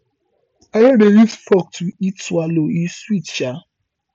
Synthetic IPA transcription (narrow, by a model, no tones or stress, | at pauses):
ajodeɾitfɔk̚tʰuitwaloiswitt͡ʃa